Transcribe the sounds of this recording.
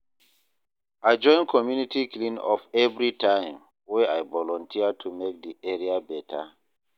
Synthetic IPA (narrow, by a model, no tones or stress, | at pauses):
aɪd͡ʒɔ̃ɪ̃nkʰɔmjunitʰiklĩnɔ̰fɛvɹitʰãɪ̃m | weajvɔlɔ̃ntʰiətʰumek̚diɛɹiabɛtʰa̰